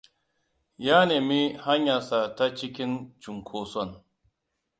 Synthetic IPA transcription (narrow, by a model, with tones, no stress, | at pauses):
ja˦ne˨mi˦ha˦ɲja˨sa˨ta˦t͡ʃi˦kʲi˦nt͡ʃu˨ŋkʰoː˨sɔ˦˨n